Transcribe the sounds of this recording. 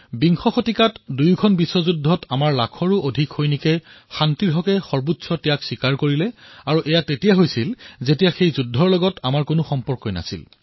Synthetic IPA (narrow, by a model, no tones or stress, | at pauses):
biŋxɔxotikatdujkʰɔnbisɔzudʱːɔtamaɹlakʰɔɹuʔodʱikhojnikɛ | xantiɹɦɔkɛxɔɹbutsɔtɛjaksikaɹkoɹilɛaɹuʔɛjatetijaɦojsilzetijaxejzudʱːɔɹlɔɡɔtamaɹkʊnʊxɔmpɔɹkɔjna̰sḭl